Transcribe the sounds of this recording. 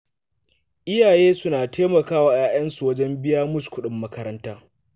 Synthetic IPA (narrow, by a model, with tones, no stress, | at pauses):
ʔɪ˦jaː˨jeː˦sʊ˦naː˨tʰeː˦mɐ˨kaː˦waː˨jaː˦j̰ɐ˦nsu˨wɐ˦d͡ʒɛ˦mbɪ˦ja˦mʊ˦˨skʷʊ˦ɗɪ˨mːɐ˦kɐ˦ɾɐ˦ntaː˦